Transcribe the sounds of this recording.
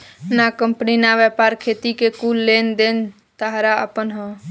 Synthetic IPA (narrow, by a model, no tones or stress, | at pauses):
nakəmpninaʋɛːpaːɾkʰeːt̪ikekuːlːeːnd̪eːn | t̪əɦɾaə̰pənɦə̃